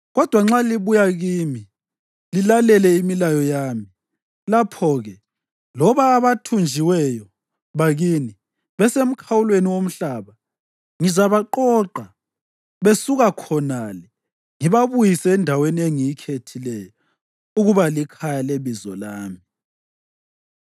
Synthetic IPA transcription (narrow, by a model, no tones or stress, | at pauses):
ɣɔd̥ʱwaŋ͡ǁaliβujaɣiːmi | lilalɛlɛimilajɔjaːmi | lapʰɔɣɛ | lɔβaːβatʰund͡ʒʱiwɛjɔ | βaɣiːni | βɛsem̩kʰawulweniwom̩ɬaβa | ŋizaβaǃɔːǃa | βesuɣakʰɔnalɛ | ŋiβaβujisɛːndʱawenieŋijikʰetʰilɛjɔ | uɣuβalikʰajaleβizɔ̰laːmi